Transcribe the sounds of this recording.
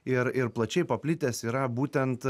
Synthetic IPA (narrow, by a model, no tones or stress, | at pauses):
ɪɾɪɾplˠɐt͡ʃʲɛɪpɐpʲlʲɪt̪ʲeːsiːɾɐbuːt̪ʲɛnt̪